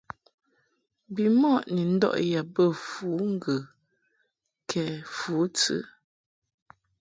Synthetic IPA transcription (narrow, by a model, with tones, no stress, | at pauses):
bi˨mɔ˦ʔni˨n̩˦dɔ̰˦˨ʔja˨bə˦˨fu˨˦ŋ̩˦ɡə˨ | kʰɛ˨fuː˨˦t͡sɨ̰˦